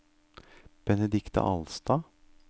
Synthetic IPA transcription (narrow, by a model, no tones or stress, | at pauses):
b̥ɛnɛd̪ɪkt̪ɑ̰ʔɑ̰lst̪ɑː